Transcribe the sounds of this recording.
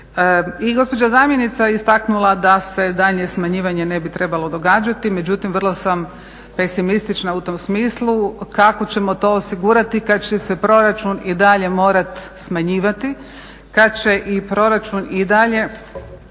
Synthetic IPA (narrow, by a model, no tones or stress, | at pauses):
iɡo̞spo̞d͡ʑazaːmje̞nit̪sajeist̪aknulˠad̪ase̞d̪aʎɲesmaɲiːʋaɲe̞ne̞bit̪ɾe̞balˠo̞d̪o̞ɡaːd͡ʒat̪ime̞d͡ʑut̪imʋr̩lˠo̞sam | pe̞simist̪it͡ʃnaut̪o̞msmiːslˠukako̞t͡ɕe̞mo̞t̪o̞ːosiɡuːɾat̪ikad̪t͡ɕese̞pɾo̞ɾat͡ʃunid̪aʎe̞mo̞ːɾat̪smaɲiːʋat̪i | kad̪̚t͡ɕe̞ʔipɾo̞ɾat͡ʃunid̪aʎe̞